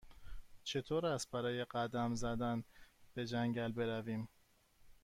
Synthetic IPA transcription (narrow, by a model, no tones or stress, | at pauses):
t͡ʃʰe̞t̪ʰoːɾæst̪̚bæɾɒːje̞ɢæd̪æmzæd̪ænb̥e̞d͡ʒæŋɟælbe̞ɾæviːm